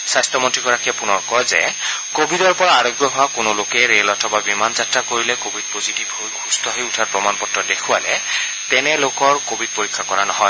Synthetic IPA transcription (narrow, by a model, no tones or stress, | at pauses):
sajstɔmɔntɹiɡɔɹakijapunɔɹkɔjzɛ̰ | kobʱidɔɹpɔɹaːɹɔɡjɔbʱakʊnolokɛɹelɔtʰɔbabimanzatɹakoɹilɛkobʱid̚pozitibojxʰustʰɔɦɔjʊtʰaɹpɹɔmanpɔtɹɔdekʰuwalɛ | tɛnɛlokɔɹkobʱid̚poɹikʰːakɔɹanɔɦɔj